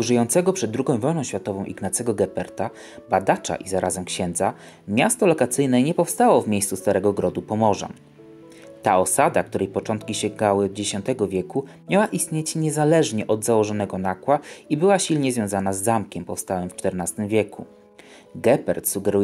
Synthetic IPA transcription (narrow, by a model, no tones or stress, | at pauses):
uʐɘjɔnsɛɡɔpʂɛd̪̚ːɾuɡɔ̃w̃vɔjnɔ̃ɕfʲjat̪ɔvɔ̃w̃ʔiɡnat̪sɛɡɔɡɛpɛɾt̪a | bad̪at͡ʂa̰ʔizaɾʔazɛmkɕɛ̃nd̪za | mʲjast̪ɔlɔkat̪sɘjnɛɲɛpɔfst̪awɔvmʲejssust̪aɾɛɡɔɡɾɔd̪upɔmɔʐa̰ | t̪aʔɔsad̪ak̚t̪uɾɛjpɔt͡ʂɔnt̪kʲiɕɛɡawɘd͡ʑeɕɔnt̪ɛɡɔvʲjɛkumʲawaʔist̪ɲet͡ɕɲɛzalɛʐɲɛʔɔd̪zawɔʐɔnɛɡɔnakwaibɘwaɕilɲɛzvʲjɔ̃w̃zanazːamkʲɛmpɔfst̪awɛmft͡ʂt̪ɛɾnast̪ɘmvʲjɛku | ɡɛpɛɾt̪suɡɛɾu